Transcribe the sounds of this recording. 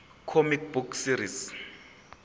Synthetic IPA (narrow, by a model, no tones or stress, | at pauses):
kʰomik̚buksiɾis